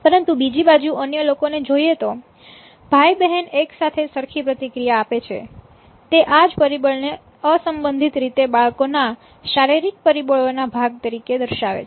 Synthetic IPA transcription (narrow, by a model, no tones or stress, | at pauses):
pəɾənt̪ubid͡ʒibad͡ʒuʔənjəlokoned͡ʒoiet̪o | b̥ʱajbɛɦɛneksat̪ʰesəɾkʰipɾət̪ikɾijaːpet͡ʃʰḛ | t̪eʔad͡ʒpəɾibəɭne | əsəmbənd̪ʱit̪ɾit̪ebaɭkona | ʃaɾiɾik̚pəɾibəɭonabʱaɡ̚t̪əɾiked̪əɾʃaʋḛt͡ʃʰe